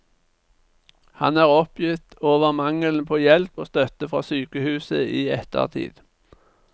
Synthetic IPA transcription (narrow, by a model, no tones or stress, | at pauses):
hɑ̰næːʁɔpjʏt̪oːʋəʁmɑŋəln̩pʰoːjɛlpoːst̪œt̪əfʁɑ̰ːsyːkəhʉːsəiːɛt̪ʰə̰ʁt̪ʰḭːd̪̥